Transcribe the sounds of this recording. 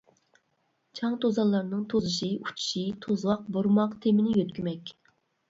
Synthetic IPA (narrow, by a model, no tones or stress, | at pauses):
t͡ʃʰɑŋt̪ʰozɑlˠːɑɾnɨŋt̪ʰozɨʃɨu̥t͡ʃʰu̥ʃit̪ʰozwɑq̚boɾmɑqt̪ʰemɪnɪjøt̪̚kʲymɛkʲ